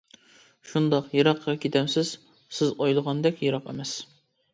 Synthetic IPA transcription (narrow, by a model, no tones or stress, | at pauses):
ʃund̪ɑqjɨɾɑqʰːɑkʲʰet̪ʰɛmsɪz̥ | sɪzɑjlˠəʁɑnd̪ɛkʲjɨɾɑqḛmɛs